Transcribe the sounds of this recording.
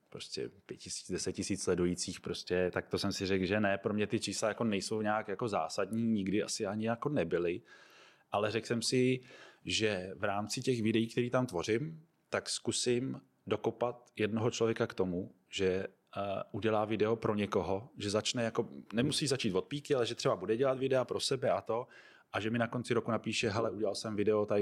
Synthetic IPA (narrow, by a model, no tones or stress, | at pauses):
pɾoscɛ̰pjɛcɪsi̥ːt͡sdɛsɛtcɪsiːt͡sslɛdujit͡siːxpɾo̞scʲɛt̪ak̚t̪o̞sɛmsɪrɛkʒɛnɛpɾo̞mɲɛt̪ɪt͡ʃiːslajako̞nɛjso̞wɲaːkjako̞za̰ːsadɲiːɲɪɡdɪʔa̰sɪaɲɪjako̞nɛbɪlɪ | ʔalɛrɛksɛmsɪ | ʒɛvɾaːmt͡sɪcɛxvɪdɛjiːk̚t̪ɛɾiːt̪amt̪vo̞rɪm | t̪akskusɪm | do̞kopat̪jɛdnoɦot͡ʃlo̞vjɛkakt̪o̞mu | ʒ̥ɛ | uɟɛlaːvɪdɛopɾʔo̞ɲɛko̞ɦo̞ʒɛzat͡ʃnɛjako̞nɛmusiːzat͡ʃiːt̪vo̞t̪̚piːkɪalɛʒɛt̪r̥ɛbabudɛɟɛlat̪vɪdɛapɾo̞sɛbɛʔat̪o̞ | ʔaʒɛmɪnako̞nt͡sɪɾo̞kunapiːʃɛɦɛlɛuɟɛlalsɛmvɪdɛot̪aɪ